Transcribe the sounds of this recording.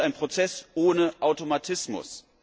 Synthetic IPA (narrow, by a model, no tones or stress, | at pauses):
ʔaɪnpʁ̥ot͡sɛsʔoːnəʔaʊtomatʰɪsmʊ̰s